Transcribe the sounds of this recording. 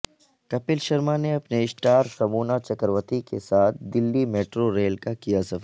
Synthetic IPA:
kɐpɪlʃɐɾmaneɐpneɪsʈaːɾsɐmuːnat͡ʃɐkəɾʋət̪ikesaːt̪ʰd̪ɪlːimeːʈɾoɾeːlkakijasɐf

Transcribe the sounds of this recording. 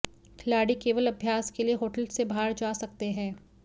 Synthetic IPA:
kʰɪlaːɽikeːʋəlɐbʱjaːskelieɦoːʈəlsebʱaːɽd͡ʒaːsɐk̚t̪eɦɛ̃ː

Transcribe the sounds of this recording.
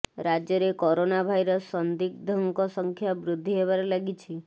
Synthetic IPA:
ɾad͡ʒjɔɾekɔɾonabʱajɾəsːənd̪ik̚d̪ʱəŋkɔsəŋkʰjabɾʊd̪ʱːiɦeʋaɾelaɡit͡ʃʰi

